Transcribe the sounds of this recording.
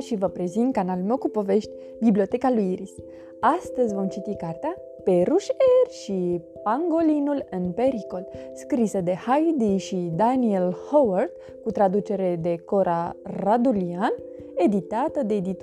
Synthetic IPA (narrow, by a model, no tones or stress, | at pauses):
ʃivəpɾe̞zint̪̚kanalume̞wkupo̞ve̞ʃt̪ʲ | biblio̞t̪e̞kalujiɾis | ast̪əzʲvo̞mt͡ʃit̪ikart̪ea | pe̞ɾuʃerʲʃi | paŋɡo̞linulɨnpe̞ɾiko̞lskɾisəd̪e̞hajd̪iʃid̪anielhowart̪ | kut̪ɾad̪ut͡ʃe̞ɾe̞d̪e̞ko̞ɾʔaɾad̪ulian | e̞d̪it̪at̪əd̪e̞ːd̪it̪